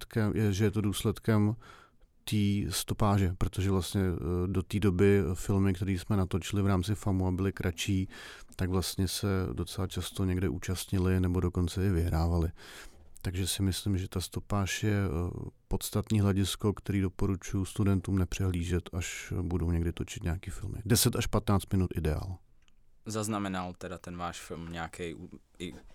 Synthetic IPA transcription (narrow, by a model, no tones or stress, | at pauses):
t̪kɛmjɛʒɛjɛt̪o̞duːslɛt̪kɛm | t̪iːst̪o̞paːʒɛpɾo̞t̪oʒɛvlast̪ɲɛdo̞t̪iːdo̞bɪfɪlmɪkt̪ɛɾiːsmɛnat̪o̞t͡ʃɪlɪvɾaːmt͡sɪfamuabɪlɪkɾʔat͡ʃiːt̪aɡvlast̪ɲɛsɛdo̞t͡sɛlat͡ʃast̪o̞ɲɛɡdɛʔuːt͡ʃast̪ɲɪlɪnɛbo̞do̞ko̞nt͡sɛɪvɪɦɾaːvalɪt̪aɡʒɛsɪmɪslɪmʒɛt̪ast̪o̞paːʃjɛpo̞t̪st̪at̪nɲiːɦlɛɟɪsko̞kt̪ɛɾiːdo̞po̞ɾut͡ʃujust̪udɛnt̪uːmnɛpr̝̥ɛɦliːʒɛt̪aʃbudoɲɛɡdɪt̪o̞t͡ʃɪ̥t̪ɲakiːfɪ̰lmɪ̰dɛsɛt̪aʃpat̪naːt͡st̪mɪnut̪ʔɪdɛa̰ːl | zaznamɛnalt̪ɛdat̪ɛnvaːʃfɪlmɲɛakɛju | ɪ